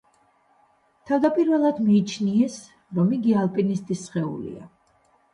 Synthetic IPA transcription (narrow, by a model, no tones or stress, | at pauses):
t̪ʰavd̪apʼiɾvɛlˠad̪miːt͡ʃʰniɛs | ɾɔmiɡialˠpʼinist̪ʼisχɛṵlḭa̰